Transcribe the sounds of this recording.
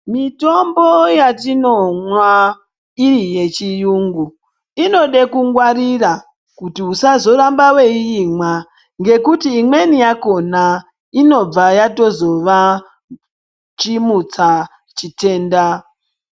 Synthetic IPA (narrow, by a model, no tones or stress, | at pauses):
mito̞mbo̞jatinomwa | irije̞t͡ʃijuːŋɡu | ino̞ɗe̞kuŋɡwaɾira | kutiusazo̞ɾambaweiimwa | ŋɡe̞kutiːmwe̞nijako̞na | ino̞b͡vajato̞zo̞ʋa | t͡ʃimut͡sa | t͡ʃite̞ːnda